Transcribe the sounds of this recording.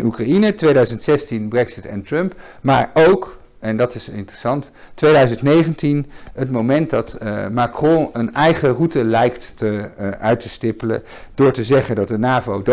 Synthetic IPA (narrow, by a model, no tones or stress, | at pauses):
nukrainətʋejdœɥzəntsɛstinbrɛksɪtɛ̰ntrɵmp | ma̰ːɹowk | ɛndɑtɪsɪ̰ntrəsɑnt | ʋejdœɥzəntnejχəntinətmowmɛnt̚dɑtmakrɔ̃ənɛjχərutəlɛjktːəʔœɥtəstɪpələ̰ | d̥ʊːɹtəzɛχəndɑt̚dənaːvowd